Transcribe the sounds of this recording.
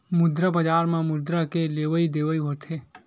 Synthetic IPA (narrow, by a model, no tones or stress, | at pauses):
mʊd̪ɾabəd͡ʒaːɾmãmʊd̪ɾakeleːʋəid̪eːʋəiɦot̪ʰeː